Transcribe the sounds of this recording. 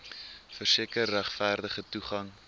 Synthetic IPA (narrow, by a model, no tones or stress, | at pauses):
fərsiəkərːæχfæːrdəχətuχɐŋ